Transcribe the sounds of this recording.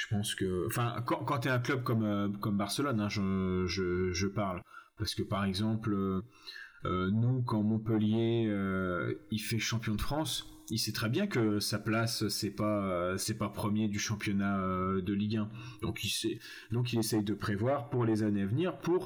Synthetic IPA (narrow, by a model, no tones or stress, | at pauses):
ʒ̥ə̥pɑ̃skəɑ̃fɛ̃kɑ̃kɑ̃t̪yɛ̃klœb̚kɔmøkɔmbaʁsəlɔnɛ̃ʒəʒəʒəpaʁlpaʁsə̥kəpaʁɛɡzɑ̃pløː | nukɑ̃mɔ̃pəljeøifɛʃɑ̃pjɔ̃d̪əfχɑ̃s | isɛt̪χɛbjɛ̃kəsaplassɛpaøsɛpapχəmjed̪yʃɑ̃pjɔnaød̪əliɡʲɛ̃d̪ɔ̃kilsɛ | d̪ɔ̃k̬ilesɛjd̪əpχevwaʁpuʁlezaneavniʁpuʁ